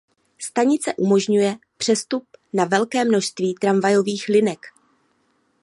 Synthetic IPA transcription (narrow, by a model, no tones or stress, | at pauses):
st̪aɲɪt͡sɛʔumo̞ʒɲujɛ | pr̥ɛst̪up̚navɛlkɛːmno̞ʃst̪viːt̪ɾamvajo̞viːxlɪnɛk